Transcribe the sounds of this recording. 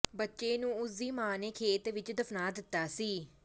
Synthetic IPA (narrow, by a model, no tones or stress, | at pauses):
bətːʃeːnũːʊsiːmaːneːkʰeːt̪ʋɪt͡ʃd̪əfʰnaːd̪ɪt̪ːaːsiː